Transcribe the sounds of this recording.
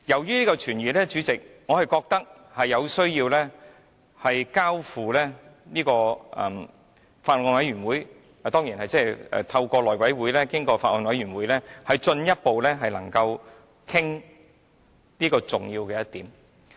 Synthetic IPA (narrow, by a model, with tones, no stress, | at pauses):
jɐ˨˩wjyː˥niː˥kɔ˧t͡ʃʰyː˨˩nɥyː˨˩lɛː˥t͡ʃyː˨˧˥t͡sɪ˨k̚ŋɔ˨˧hɐ˨˩jkɔː˧k̚t̪ɐ˥k̚ | hɐ˨jːɐ˨˧wsɵ˥ɥjiː˧wlɛː˥ | hɐ˨jkaː˥wfuː˨lɛː˥niː˥kɔː˧ɛ˨˩m | faː˧t̚ɔː˨˧nwɐ˨˥jɥyː˨˩nwuː˨˥j | t̪ɔː˥ŋjiː˨˩nhɐ˨jt͡sɛ˥ɛ̰ː˨˩t̪ʰɐ˧wkɔː˧lɔː˨˩jwɐ˨˥jwuː˨˥jlɛː˥kɪ˥ŋkɔː˧faː˧t̚ʔɔː˨˧nwɐ˨˥jɥyː˨˩nwuː˨˥jlɛː˥hɐ˨˧jt͡ʃɵ˧njɐ˥t̚po˨wlɛː˥ɦɐ˨jlɐ̰˨˩ŋkɐ˧w | kʰɪ˥ŋ | niː˥kɔː˧t͡sʊ˨ŋjiː˧wkɛː˧jɐ˥t̪̚iː˨˥m